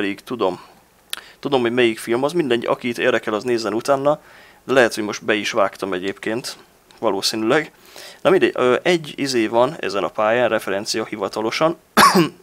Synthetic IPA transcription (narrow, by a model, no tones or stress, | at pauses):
d̪iɡt̪ud̪o̞m | t̪ud̪o̞mɦo̞ɟmɛjikfilmɒzmind̪ɛɲʔɒ̰kit̪ḛːrd̪ɛkɛlɒzneːzɛnut̪aːnːɒ | d̪ɛlɛɦɛt̪hoɟmo̞ʃt̪bɛiʃʋaːkt̪ɒmɛɟeːpkeːnt̪ | ʋɒloːsiːnylɛɡ | nɒmind̪ɛ̰øʔɛɟːizeːvɒnɛ̰zɛnɒpaːjaːnrʔɛfɛɾɛnt̪sijɒhivɒt̪ɒloʃɒn